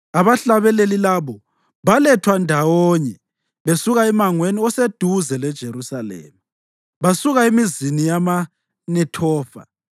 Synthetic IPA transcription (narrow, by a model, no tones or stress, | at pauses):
aβaɬaβɛlelilaβɔ | βalɛtʰwandʱawɔɲɛ | βesuɣaɛmaŋweniɔsed̥ʱuzɛlɛd̥ʒ̥ʱeɾusalḛːmi | βasuɣaemizinijama | nɛtʰɔːfa̰